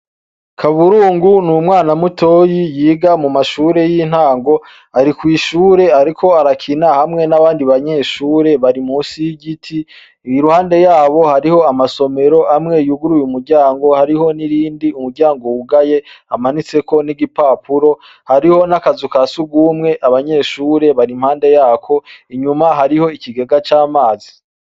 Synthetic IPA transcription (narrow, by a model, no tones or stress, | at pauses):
kʰaβuɾuːŋɡunumŋaːnamutʰo̞ːjijiːɡamumaʃuːɾe̞jiːn̥haːŋɡo̞ | aɾikwiːʃuːɾe̞aɾikʰo̞aɾakʰinahamŋe̞naβaːndiβaɲe̞ːʃuːɾe̞βaɾimuːsijiɟitʰi | ɾuhaːnde̞jaːβo̞haɾiho̞amaso̞me̞ɾo̞ʔamŋe̞juɡuɾuːjumuɾɟaːŋɡo̞haɾiho̞niɾiːndiumuɾɟaːŋɡowuɡaje̞amanit͡se̞ko̞niɡipaːpʰuɾo̞ | haɾiho̞nakazukasuɡuːmŋe̞ʔaβaɲe̞ːʃuːɾe̞βaɾimhaːnde̞jaːkʰo̞iɲumaɦaɾiho̞iciɡe̞ɡat͡ʃaːmaːzi